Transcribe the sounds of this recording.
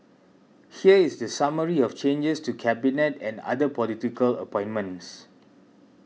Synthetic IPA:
hiəisdəsaməɹiɔft͡ʃẽnd͡ʒəstukʰɛbinɛtɛ̃na̰dəpɔlitikələ̰pɔ̃ɪ̃nmə̃ns

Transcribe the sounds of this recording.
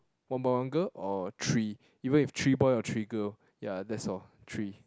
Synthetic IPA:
wãnbawãnɡəʔɔtʰɹi | ivə̃niftʰɹibɔjɔtʰɹiɡə | jadɛtsɔ | tʰɹi

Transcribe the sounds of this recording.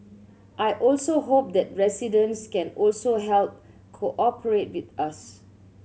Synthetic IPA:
ʔajʔɔlsoɦop̚d̪ɛt̚ɹɛsidə̃nskɛ̃nɔlsoɦɛlp̚ | kʰoʔɔpʰəɹet̚wit̪as

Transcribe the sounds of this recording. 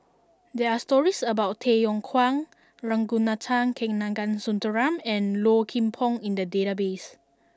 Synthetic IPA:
dɛastɔɹisəbawttʰejɔ̃ŋkʰwãŋ | ɹãŋɡunatʰãŋkʰɛ̃ŋnãŋɡãnsũntəɹãmɛ̃nlokʰĩmpʰɔ̃ŋĩndədetabes

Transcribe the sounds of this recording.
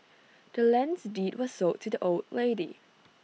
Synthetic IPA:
d̥əlɛ̃nsditwɔssotʰːudiʔoldleɪdi

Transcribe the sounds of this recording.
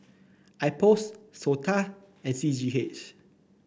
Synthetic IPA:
ajpossotʰa | ɛ̃nsid͡ʒiɦet͡ʃ

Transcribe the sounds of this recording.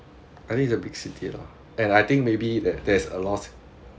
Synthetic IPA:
aɪjt̪ɪ̃ŋkisəbiɡsitʰḭlɔ̰ | ɛ̃najt̪ɪ̃ŋk̚mebidɛt̚dɛsə̰lɔt

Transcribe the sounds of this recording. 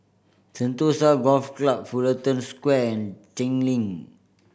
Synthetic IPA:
sə̃nt̪osaɡɔlfklap̚fulət̪ə̃nskwɛɛ̃nt͡ʃɛ̃ŋlĩŋ

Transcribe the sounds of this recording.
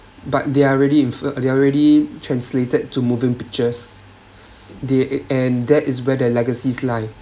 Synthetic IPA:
bat̚deaɹɛdiĩnfədeaɹɛditʰɹɛ̃nsletəd̚tumuvĩŋpik̚t͡ʃəs | deɛ̃ndɛtɪs̬wɛdəlɛɡəsislaɪ

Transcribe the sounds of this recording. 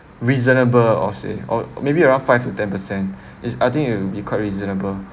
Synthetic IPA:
ɹizənəbəlɔ̰sḛɔ̰mebiəɹãʊ̃nfaɪftutɛ̃npəsɛ̃nt | isajt̪ĩŋkit̚wubikʰwaɪt̚ɹizənəbəl

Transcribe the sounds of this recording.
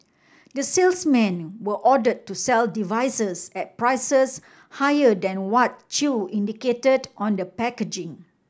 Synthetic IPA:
dəselsmɛ̃nwəʔɔdəd̚tːusɛldivajsəsɛt̚pɹajsəs | hajədɛ̃nwɔt̚t͡ʃuĩndiketədʔɔ̃ndəpɛkəd͡ʒɪ̃ŋ

